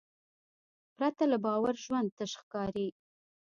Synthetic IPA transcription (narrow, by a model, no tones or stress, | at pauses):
pɾat̪alabɑwaɾʒwand̪̚t̪əʃxkɑɾi